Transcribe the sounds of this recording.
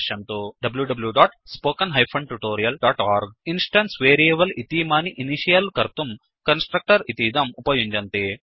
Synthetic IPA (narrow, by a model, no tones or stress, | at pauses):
ʃɐnt̪oːɖɐbljuɖɐbɐljuɖaːʈspoːkɐnɦɐjpʰɐɳɖʈuʈoːɾijɐlɖaːʈaːɾɡinsʈɐnsʋeːɾieːbɐlit̪iːmaːniʔiniʃijɐlkɐɾt̪um | kɐnsʈɾɐk̚ʈɐɾit̪iːd̪ɐmupɐjuɲd͡ʒɐnt̪eː